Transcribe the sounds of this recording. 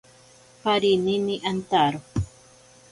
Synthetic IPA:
paɾininiʔant̪aɾo

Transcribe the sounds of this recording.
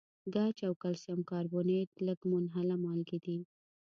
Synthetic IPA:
ɡat͡ʃawkalsjamkɑɾbonet̪ləɡmʊnɦalamɑlɡid̪i

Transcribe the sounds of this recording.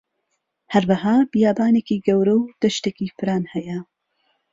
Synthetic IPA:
hɐɾwɐhaːbijaːbaːneːkiɡɐwɾɐwd̪̥ɐʃt̪eːkifɨɾaːnhɐjɐ

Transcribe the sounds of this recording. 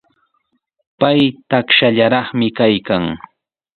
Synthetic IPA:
pajt̪akʃaʎaɾɑχmɪkajkaŋ

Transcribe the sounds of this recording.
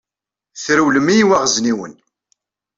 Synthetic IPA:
θɾuwləmijiwæʁzniwə̰n

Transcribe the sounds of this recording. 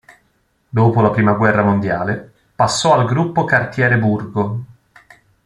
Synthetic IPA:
d̪oːpolapɾiːmaɡwɛrːamond̪jaːle | pasːɔalɡɾupːokart̪jɛːɾeburɡo

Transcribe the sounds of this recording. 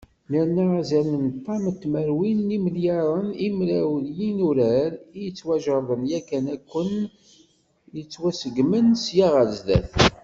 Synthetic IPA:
nəɾnæzænənt̪ˤːɑmət̪ːməɾwinːiməljɑɾˤənimɾæwljinuɾæɾijət͡sːwæʒəðˤənjækːænækʷːən | jət͡sːwæsəɡmənsjaʁəɾzðæ̰θ

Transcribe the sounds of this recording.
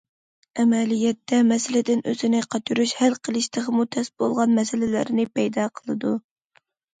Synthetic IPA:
ɛmɛlijɛt̪ʰːɛmɛsɪlɪd̪ɪnʔø̰zɪnɪqʰɑt͡ʃ̪uɾuʃhælqʰəlˠɨʃt̪ʰəʁəmut̪ʰɛsbolˠʁɑnmɛsɪlɪlæ̰ɾnɪpɛjd̪ɑqʰəlˠɨd̪u

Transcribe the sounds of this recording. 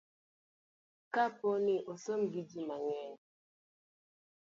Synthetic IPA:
kapɔniʔosom̩ɡid͡ʒimaɲɛ

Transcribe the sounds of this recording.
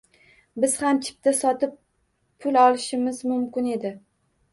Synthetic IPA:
bɪz̥hamt͡ʃʰɪ̥p̚t̪ʰasɒt̪ɪpʰː | ʊlɒlˠɪʃɪmɪzmʊmkʲɪne̞d̪ɪ

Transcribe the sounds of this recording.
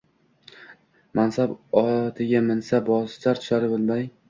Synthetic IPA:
mansabɒt̪ʰɪɡʲamɪnsabɒzt͡ʃ̪aɾt̪ʰʊ̥ʃaɾɪbɪlˠmaj

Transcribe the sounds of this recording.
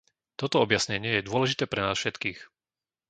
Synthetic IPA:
t̪ɔt̪ɔɔbjasɲɛɲɪɛjɛd̪ʊɔlɛʒit̪ɛːpɾɛnaːsfʃɛt̪kiːx

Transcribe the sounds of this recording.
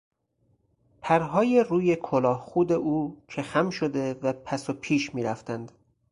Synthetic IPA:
pʰæɾɦɒːjeruːje̞kʰolɒːhxuːd̪eʔuːcʰe̞xæmʃod̪e̞væpʰæsopʰiːʃmiːɾæft̪ænd̪̥

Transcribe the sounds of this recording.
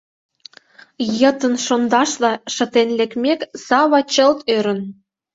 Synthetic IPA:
jət̪ənʃond̪ɑʃlɑʃə̆t̪enlekmʲeksɑβɑt͡ɕəlt̪øɾə̆n

